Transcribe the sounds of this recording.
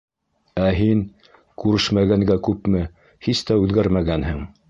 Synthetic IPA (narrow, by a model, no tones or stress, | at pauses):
æɦin | kʉɾɘʃmæɡæŋɡækʉpmɘ | hist̪æʉðɡæɾmæɡænhɘŋ